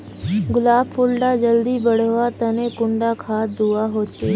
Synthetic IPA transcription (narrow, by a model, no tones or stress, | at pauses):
ɡʊlaːbʰʊlɖad͡ʒəld̪iːbəɽ̤ʋaːt̪ənẽːkʊ̃ɳɖaːkʰaːd̪uaːɦoːt͡ʃʰeː